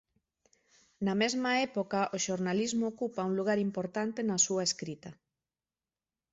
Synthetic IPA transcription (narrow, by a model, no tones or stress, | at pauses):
namɛzmaɛpokaʔoʃoɾnalizmookupauŋluɣ̞aɾimpoɾt̪ant̪enasuaeskɾit̪ɐ